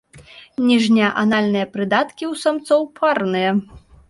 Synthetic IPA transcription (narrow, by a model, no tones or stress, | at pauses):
nʲiʐnʲɐʔanalʲnɨjɐpɾɨd̪at̪kʲiwsamt̪sɔwpʰarnɨjɐ